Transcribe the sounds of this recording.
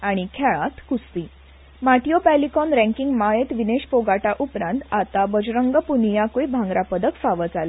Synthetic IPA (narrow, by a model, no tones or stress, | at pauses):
aɽ̃ikʰɛɭãt̪kust̪iː | maʈijopælikɔnɾæ̃ŋkiŋɡmaɭet̪ʋineɕpoɡaʈaʔupɾãnt̪at̪abəd͡ʑɾəŋɡəpunjakujbʱãŋɡɾapəd̪əkfaʋət͡sala